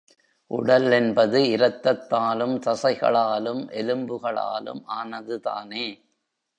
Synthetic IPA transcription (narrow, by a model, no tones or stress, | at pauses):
ʔʊ̰ɽɐlɛnbɐðɯɪɾɐt̪ːɐt̪ːaːlɯmt̪ɐsɐɪɣɐ̰ɭaːlɯmʔɛlɯmbɯɣɐɭa̰ːlɯ̰mʔaːnɐðɯt̪a̰ːneː